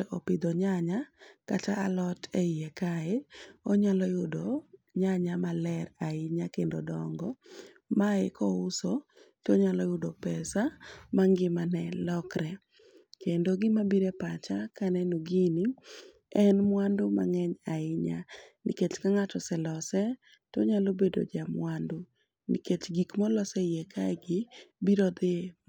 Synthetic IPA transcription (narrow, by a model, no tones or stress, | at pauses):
ʔɔpɪd̪oɲaɲakataalɔtʰeiekaɪɔɲalɔjʊdoɲaɲamalɛɾaɪɲakendodɔŋɡɔ | maɪkɔusotoɲalɔjʊdopɛsamaŋɡɪmanɛlɔkɾɛ | kendoɡɪmabiɾɛpat͡ʃakanɛnoɡini | ɛnmwandʊma̰ŋɛɲaɪɲa̰nḭket͡ʃkaŋatɔsɛlɔsɛ | toɲalobedo̰d͡ʒamwando | niket͡ʃɡikmɔlɔsɛjɛkʰaɡɪbiɾɔd̪ɪ